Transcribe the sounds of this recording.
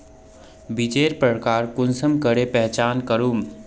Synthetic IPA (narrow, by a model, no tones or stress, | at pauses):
bid͡ʒeːɾpɾəkaːɾkʊnsəmkəɾepɛɦt͡ʃaːnkəɾuːm